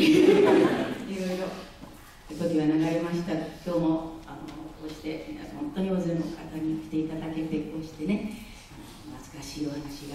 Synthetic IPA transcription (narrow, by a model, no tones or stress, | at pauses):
iɾo̞iɾo̞ | ot̪okʲiβanaɡaɾe̞maɕi̥t̪akʲo̞ːmoanokoːɕi̥t̪e̞mina̰hõ̞̰nt̪oɲio̞ːzenokʰat̪aɲ̟ikʲi̥t̪e̞it̪ad̪ake̞t̪e̞ko̞ːɕi̥t̪e̞ne̞ | ano̰nat͡sɨ̥kaɕiːo̞hanaɕiɡa